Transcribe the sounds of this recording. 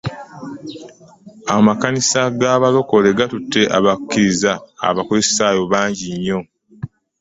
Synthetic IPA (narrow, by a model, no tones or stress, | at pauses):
amakanisaɡaːβalo̞ko̞le̞ɡatutːe̞ʔaβakːiɾizaa̰βakuessaːjo̞βaːɲɟiɲːo̞